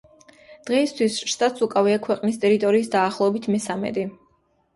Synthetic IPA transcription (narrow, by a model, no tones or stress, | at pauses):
d̪̥ʁɛist̪ʰwisʃt̪ʼat̪sukʼaviakʰwɛqʼnist̪ʼɛɾit̪ʼɔɾiːsd̪aːχlˠɔɛbit̪ʰmɛsamɛ̰d̪i